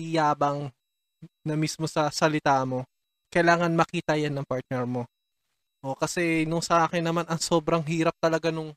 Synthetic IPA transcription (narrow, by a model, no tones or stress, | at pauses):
ɪjaːbɐŋ | nɐmismo̞sɐsɐlɪt̪aːmo̞ | kɐjlaːŋɐnmɐkiːt̪ɐjanːɐŋpaɹt̪̚nɛɹmo̞ | ʔokɐsɛnʊŋsɐʔaːkɪnːɐmanɐŋso̞ːbɾɐŋɦiːɾɐp̚t̪ɐlɐɡanʊŋ